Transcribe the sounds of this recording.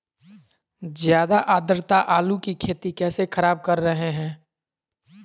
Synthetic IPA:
zjaːd̪aʔaːd̪əɾt̪aʔaːlukikʰeːt̪ikɛːsexʰəɾaːb̚kɐɾːɐɦeɦɛ̃ː

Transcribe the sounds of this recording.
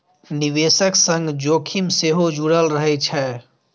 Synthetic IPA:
niʋesəksə̃ŋɡd͡ʒoːkʰimseɦod͡ʒuɽəlɾəɦɛt͡ʃʰɛ

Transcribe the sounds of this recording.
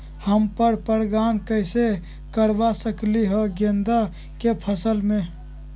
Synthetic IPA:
həmpəɾpəɾɡaːnkəɪse | kəɾbasəkliɦoɡend̪a | kepʰəsəlmẽ

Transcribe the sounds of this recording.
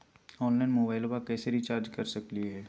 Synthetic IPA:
ɔːnlaːɪnmoːbaːɪlbakɛːseɾit͡ʃaːɾd͡ʒkɐɾsɐklieɦɛː

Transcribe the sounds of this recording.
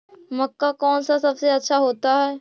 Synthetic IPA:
mɐkːakɔːnsasɐbseɐtːʃʰaɦoːt̪aɦɛː

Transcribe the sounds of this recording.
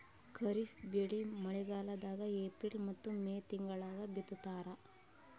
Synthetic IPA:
kʰɐɾifbeɭimɐɭɛɡaːlɐd̪aːɡɐeːpɾilmɐt̪ːumeːt̪iŋɡɐɭaːɡɐbit̪ːut̪ːaːɾɐ

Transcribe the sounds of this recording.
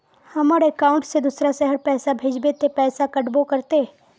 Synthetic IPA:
hɐmaːɾekaːʊ̃ɳʈsed̪ʊsɾasɛɦəɾpɛːsabʱeːd͡ʒbet̪epɛːsakɐʈbokɐɾt̪e

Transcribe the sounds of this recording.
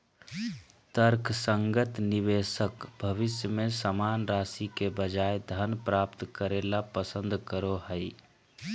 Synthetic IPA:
t̪əɾkʰsə̃ŋɡət̪nɪʋeːsəkbʱəʋɪsjəmẽsəmaːnɾaːsikebəd͡ʒaːed̪ʱənpɾaːpt̪kəɾeːlapəsə̃nd̪ʱkəɾohəɪ

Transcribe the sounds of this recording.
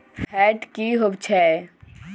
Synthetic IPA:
fʰɛːʈkiɦobt͡ʃʰɛ

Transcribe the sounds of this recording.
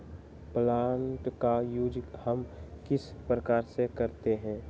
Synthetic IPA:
plaːɳʈkajud͡ʒhəmkɪspɾəkaːɾsekɐɾt̪eɦɛ̃ː

